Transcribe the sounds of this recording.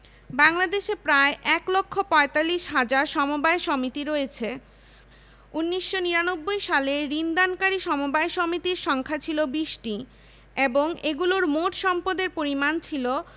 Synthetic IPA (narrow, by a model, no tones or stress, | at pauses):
baŋlad̪eʃepɾaeʔɛklokʰːopɔet̪alːiʃɦad͡ʑaɾʃɔmobaejʃɔmit̪iɾoet͡ɕʰe | unːiʃːoniɾanobːojʃaleɾind̪ankaɾiʃɔmobaeʃomit̪iɾʃɔŋkʰat͡ɕʰilobiʃʈi | eboŋeɡuloɾmoʈʃɔmpod̪eɾpoɾimant͡ɕʰilo